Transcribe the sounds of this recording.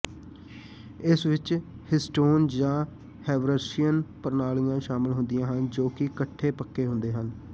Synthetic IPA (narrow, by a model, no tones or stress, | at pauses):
ɪsʋɪt͡ʃ | hɪsʈoːnd͡ʒãː | hɛːʋɾəsijənpəɾnaːlɪɡãːʃaːmɪlɦʊnd̪ɪjãːɦənd͡ʒoːkɪkəʈʰːeːpəkːeːɦʊ̃nd̪eːɦən